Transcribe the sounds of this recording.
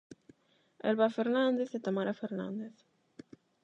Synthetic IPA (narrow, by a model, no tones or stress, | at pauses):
ḛlβafeɾnand̪eθet̪amaɾafeɾna̰nd̪eθ